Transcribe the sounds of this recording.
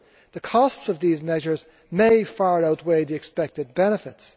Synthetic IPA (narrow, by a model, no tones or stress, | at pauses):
ðɨkʰɔstsʌvðizmɛʒə˞z | meɪfaɹaʊt̚weɪðiɨkspɛk̚tɨd̚bɛñɨfɨts